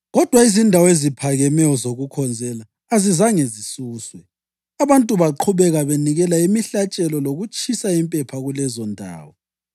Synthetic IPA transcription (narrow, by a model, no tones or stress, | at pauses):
ɣɔd̥ʱwaizindʱawezipʰaɣɛmɛjɔzoɣukʰɔnd͡zʱɛlaː | zizaŋezisuːswɛ | aβantʼuβaǃʰuβɛɣaβeniɣɛlaimiɬat͡ʃʼɛlɔloɣut͡ʃʼisaimpʼɛpʰaɣulɛzɔndʱa̰ːwɔ